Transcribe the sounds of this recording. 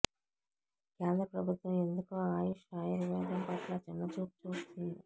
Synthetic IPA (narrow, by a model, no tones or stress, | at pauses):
keːnd̪ɾɐpɾɐbʱut̪ʋɐme̞nd̪ukoːaːjiʃaːjɐɾʋɛːd̪ɐmpɐʈlaːt͡ʃinːɐt͡ʃuːpt͡ʃuːst̪und̪i